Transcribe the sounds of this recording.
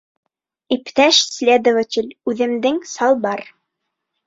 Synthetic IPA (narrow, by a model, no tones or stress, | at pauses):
ipt̪æʃsʲlʲed̪ovət͡ɕɘlʲʉðɘ̆md̪ɘŋsɑlˠbɑɾ